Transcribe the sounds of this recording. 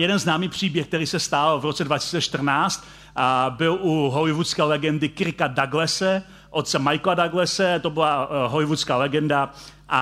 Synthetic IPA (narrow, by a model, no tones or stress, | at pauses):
jɛdɛnznaːmiːpr̝̥iːbjɛxkt̪ɛɾiːsɛst̪alvɾot͡sɛdvacɪsi̥ːt͡sɛʃt̪r̩naːt͡st̪ | bɪlʔuɦolɪvut͡skɛːlɛɡɛndɪkɪɾɪkadaɡlɛsɛ | ʔot̪̚t͡sɛmajkladaɡlɛsɛt̪obɪlaɦolɪvut͡skaːlɛɡɛnda | ʔa